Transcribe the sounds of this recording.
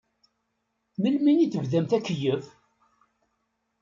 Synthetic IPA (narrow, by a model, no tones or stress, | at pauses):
məlminiθəvðæmθækːəjəv